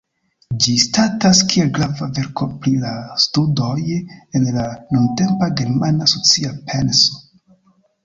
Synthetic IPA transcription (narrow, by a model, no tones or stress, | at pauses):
d͡ʒistataskielɡɾavave̞ɾko̞pɾilastudo̞je̞nlanunte̞mpaɡe̞ɾmanaso̞t͡siapʰe̞nso̥